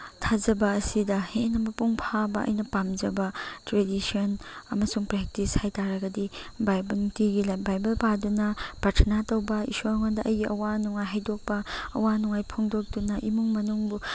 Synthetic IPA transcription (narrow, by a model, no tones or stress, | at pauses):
tʰazɐbɐːsidɐhenɐmɐpuŋpʰabɐʔɐ̰jnɐpamd͡ʒɐbɐtɾedisionɐmɐsuŋpɾɛk̚tishajtaɾɐɡɐdibajbɐtiɡilabajbɐlpadunɐpaɾtʰɐnatowbɐḭsonŋandɐʔɐjɡiʔɐwanuŋajɦajdok̚pɐ̰ːwanuŋajpʰoŋdok̚dunɐʔimuŋmɐnuŋbu